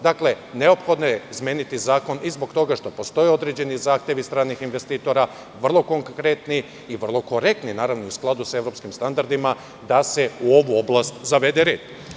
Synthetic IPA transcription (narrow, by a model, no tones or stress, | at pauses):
d̪akle̞ | ne̞o̞pxo̞d̪nojezmjeːnit̪izaːko̞nizbo̞kt̪o̞ɡaʃt̪o̞po̞st̪o̞jeod̪ɾed͡ʑe̞nizaːxt̪ʲje̞ʋist̪ɾaːnixinʋe̞st̪iːt̪o̞ɾa | ʋr̩lˠo̞ko̞ŋkɾe̞t̪niː | ʋr̩lˠo̞ko̞ɾe̞k̚t̪ninaːɾaʋnousklˠad̪usae̞ʋɾo̞pskimst̪and̪aɾd̪ima | d̪ase̞uo̞ʋuo̞blˠast̪zaʋe̞d̪e̞ɾeːd̪̥